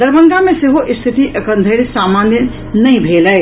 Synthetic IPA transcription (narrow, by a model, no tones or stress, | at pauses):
d̪ɐɾbɐ̃ŋɡamẽseɦoʔɪst̪ʰɪt̪iʔɐkə̃nd̪ʱəɽisaːmaːnjə | nɐɦĩbʱeːləe